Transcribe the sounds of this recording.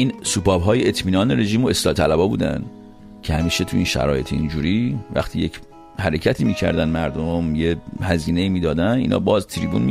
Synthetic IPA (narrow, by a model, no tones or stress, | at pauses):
ʔiːnsupɒːbɦɒːjeet̪ʰmiːnɒːneɾe̞ʒiːmo̞e̞slɒːt̪ʰælæbɒːbṵːd̪æ̰n | cʰehæmiːʃe̞t̪ʰuinʃæ̰ɾɒ̰ːje̞t̪ʰiḭnd͡ʒuːɾiːvæ̰xt̪ʰiːje̞cʰ | hæɾe̞cʰæt̪ʰiːmiːcʰæ̰ɾd̪ænmæɾd̪omjehæziːneiːmiːd̪ɒːd̪ænḭːnʔɒ̰ːbɒːzt̪ʰiɾibunmi